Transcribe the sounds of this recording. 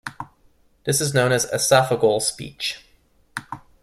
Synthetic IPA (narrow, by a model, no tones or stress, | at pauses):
ðɪsɨznõʊ̃nɨzɨ̰sæfəɡl̩ˠspḭt͡ʃ